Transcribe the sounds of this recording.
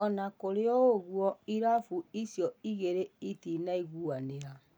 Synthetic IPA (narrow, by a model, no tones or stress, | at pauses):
ɔnakoɾeɔoɣwɔiɾafuisjɔiɣeɾeitinaiɣuaneɾa